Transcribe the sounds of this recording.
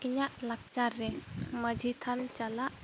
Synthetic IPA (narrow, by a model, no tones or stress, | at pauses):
kiɲaʔlak̚t͡ʃaɾːɛməd͡ʒʱit̪ʰant͡ʃalaʔ